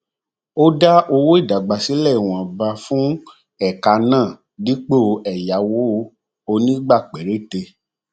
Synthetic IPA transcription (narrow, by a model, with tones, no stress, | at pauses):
o˦da˦ʔo˧wo˦i˦˨da˨ɡ͡ba˨si˨˦lɛ˦˨i˨w̃ɔ̃˨ba˧fũ˦ | ɛ˦˨ka˧nãː˦˨ | di˦k͡po˦˧ɛ˨ja˨˦wo˦o˧ | o˧nĩ˦ɡ͡ba˦˨k͡pɛ˨ɾe˦˨te˧